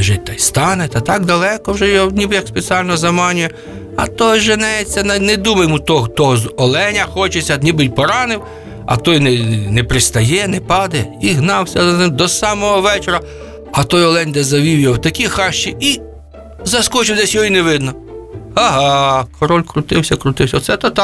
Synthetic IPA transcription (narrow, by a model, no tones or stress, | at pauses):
ʒɪtʲt̪ɐjst̪ɑnɛt̪ɐt̪ɑɡ̚d̪ɐlˠɛkɔwʒɛjɔnʲibɪjɐkspet͡sʲiɑlʲnɔzɐmɑnʲʊjɛ | ɐ̰t̪ɔjʒɐnɛjet͡sʲːɐnɛnɛd̪umɐjmut̪ɔɦt̪ɔɦɔzɔlˠɛnʲɐxɔt͡ʃɪt͡sʲɐnʲibɪjʲpɔɾɑnɪw | ɐ̰t̪ɔjnɛnɛpɾɪst̪ɐjɛnɛpɑd̪ɛiɦnɑwsʲɐd̪ɔsɑmɔɦɔʋɛt͡ʃeɾɐ | ɐt̪ɔjɔlˠɛnʲd̪ɛzɐʋʲiwjɔwt̪ɐkʲixɑʃt͡ʃii | zɐskɔt͡ʃɪwd̪ɛsʲjɔɦineʋɪd̪nɔ | ɐɦɑkʰɔɾɔlʲkɾʊt̪ɪwsʲɐkɾʊt̪ɪwsʲɐɔt̪sɛt̪ɐt̪ɑ